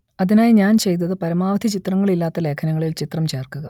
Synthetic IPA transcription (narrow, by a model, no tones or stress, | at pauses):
ɐðinaːjɲaːnt͡ɕe̞jt̪ːɐðɨpɐɾɐmaːʋɐd̪ʱit͡ɕit̪rɐŋːɐɭilːaːt̪ːɐle̞ːkʰɐnɐŋːɐɭilt͡ɕit̪rɐmt͡ɕe̞ːrkuɣɐ